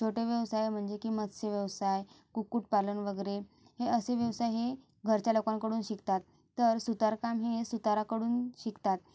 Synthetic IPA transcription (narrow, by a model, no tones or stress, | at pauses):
t͡ɕʰoʈeʋjəʋsajm̤əɳd͡ʑekiːmət̪seʋjəʋsaj | kukuːʈ̚palənʋəɡəɾe | heəseʋjəʋsajɦe | ɡʱəɾt͡ɕjalokaŋkəɽuːnɕikt̪at̪ːəɾsut̪aɾkamɦesut̪aɾakəɽuːnɕikt̪at̪̚